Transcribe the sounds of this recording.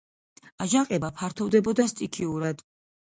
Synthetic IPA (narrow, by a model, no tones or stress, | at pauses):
aʒaqʼɛbapʰaɾt̪ʰɔvd̪ɛbɔd̪ast̪ʼikʰiuɾad̪̥